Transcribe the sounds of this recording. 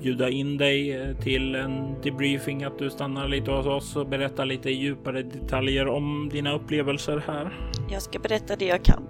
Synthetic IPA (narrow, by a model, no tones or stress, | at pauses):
bjʉ̟ːd̪aɪnd̪ɛjt̪ʰɪlɛnd̪ɛbɾiːfɪŋat̪̚d̪ɵst̪anːaɾliːt̪əɔsɔsɔbɛɾɛt̪ːaliːt̪əɪjʉ̟ːpaɾəd̪ɛt̪ʰaljəɾɔmd̪iːnaɵpːleːvəlsəɾhæːɾjɑːskabɛɾɛt̪ːad̪ɛjaːkʰa̰n